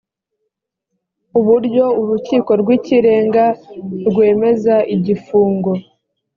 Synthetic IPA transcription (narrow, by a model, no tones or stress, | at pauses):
uβuɾɟo̞uɾuciːko̞ɾɡwiːciɾe̞ːŋɡaɾɡwe̞ːme̞zaʔiɟifuːŋɡo̞